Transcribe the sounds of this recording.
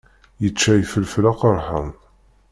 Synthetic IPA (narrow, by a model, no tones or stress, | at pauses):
jət͡ʃːæjfəlflaqəɾˤħəm